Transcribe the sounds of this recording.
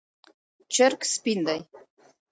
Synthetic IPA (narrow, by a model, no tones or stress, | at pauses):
t͡ʃerkspind̪aj